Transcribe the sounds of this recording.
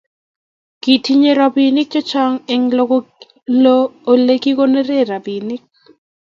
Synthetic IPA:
ki˨ti˦ɲe˦ɾa˨bi˨nɪ˦k̚d͡ʒɔ˦t͡ʃa˦ŋɛ˨ŋl | loː˦˨le˦ɡi˦ko˦ne˦ɾe˦˨ɾa˨bi˨nɪ˦k̚

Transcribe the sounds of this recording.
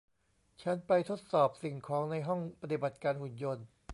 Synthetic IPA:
t͡ɕʰa˦˥npa˧jt̪ʰo˦˥t̪̚sɔː˨˩p̚si˨˩ŋkʰɔː˩˦ŋna˧jɦɔ˥˩ŋpa˧t̪i˨˩ba˨˩t̪̚kaː˧nhu˨˩njo˧n

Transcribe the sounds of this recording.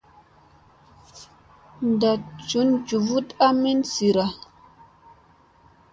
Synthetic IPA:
n˨da˨t͡ʃu˨˦nt͡ʃu˨vu˦ta˦mi˦nsi˨ɾa˨

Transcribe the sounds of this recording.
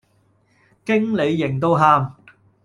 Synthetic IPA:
kɪ˥ŋle˨˧jːɪ˨˩ŋt̪̬o˧wɦaː˧m

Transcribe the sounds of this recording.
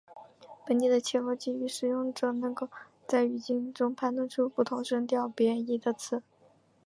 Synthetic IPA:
pə˧˥nt͡ɕ̪i˥˩d̪ə˩t͡ɕʰjɛ˥fɔ˥t͡ɕi˥˧y˧˩ʂɻ̩˨˩jʊ˥˩ŋʈ͡ʂɤ˨˩nɤ˧˥ŋko˥˩ʊ | t͡sa˥˩ɪy˨˩t͡ɕi˥ŋʈ͡ʂʊ˥ŋpʰa˥nt̪ʰwə˥˧nʈ͡ʂʰu˥pu˥˩t̪ʰʊ˧˥ŋʂə˥ŋt̪̬jɑ˥˩ʊpjɛ˧˥i˥˩d̪ə˧˩t͡sʰɹ̩˥˩

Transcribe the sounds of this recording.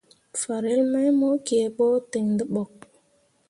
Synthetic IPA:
fa˨ɾe˨˦lma˦jmo˦ke˨ɓɔ˦te˨ŋdə˦ɓɔ˨k̚

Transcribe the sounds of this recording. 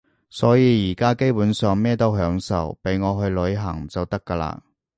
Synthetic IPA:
sɔː˨˥jiː˨˧jiː˨˩kaː˥ke˥jpuː˨˥nsœː˨˧ŋmɛː˥t̪o˥wɦœː˨˥ŋsɐ̰˨wpe˨˥jŋɔː˨˧ɦɵ˧ɥlɵ˨˧˥ɥɦɐ˨˩ŋt͡sɐ˨wt̪ɐ˥kːa˧la̰ː˧˥

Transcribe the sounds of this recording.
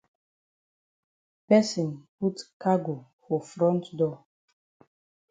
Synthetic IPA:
pɛ˦sĩ˨npu˦tka˦ɡo˨ | fɔ˨fɹɔ̃˦ntdɔ˦

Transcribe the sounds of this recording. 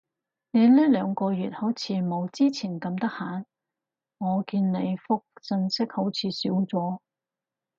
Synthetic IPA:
ne˨˧jliː˥lœː˨˧ŋkɔː˧jyː˨t̚ho˨˥wt͡sʰiː˨˧mo˨˧wt͡siː˥t͡sʰiː˨˩nkɐ˧mt̪ɐ˥k̚haː˨˥n | ŋɔː˨˧kiː˧nne˨˧jfʊ˥k̚t͡sɵ˧nsɪ˥k̚ho˨˥wt͡sʰiː˨˧siː˨˥wt͡sɔː˨˥

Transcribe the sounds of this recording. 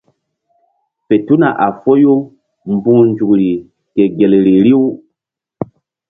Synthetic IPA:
pe˨tu˦na˨ʔa˨fo˦jo˦ | mbũ˦nd͡ʒu˨kɾi˨ | ke˨ɡe˨lɾi˨ɾi˦w

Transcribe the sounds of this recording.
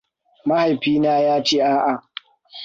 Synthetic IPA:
ma˦ha˨jɸiː˦naː˦jaː˦t͡ʃeː˦ʔaː˦ʔa˨

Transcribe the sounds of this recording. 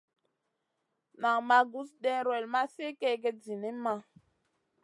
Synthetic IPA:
na˨ŋma˨ɡu˦sɗɛ˦ɾwɛ˨lma˦se˦kɛ˦ɡɛ˦d͡zi˨ne˦ma˦

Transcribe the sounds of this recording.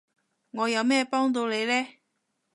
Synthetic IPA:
ŋɔː˨˧jɐ˨˧wmɛː˥˧pɔː˥ŋt̪o˧wle˨˧jlɛː˥

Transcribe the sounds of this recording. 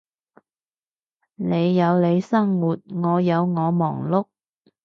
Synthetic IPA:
ne˨˧jːɐ˨˧wle˨˧jsɐ˥ŋwuː˨˩t̚ŋɔː˨˧jɐ˨˧wŋɔː˨˧mɔː˨˩ŋlʊ˥k̚

